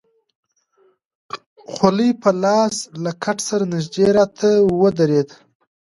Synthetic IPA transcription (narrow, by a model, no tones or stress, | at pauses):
xalijpʰəlɑːslakʰaʈsaɾanɪʒd̪eɾɑt̪ʰawəd̪aɾed̪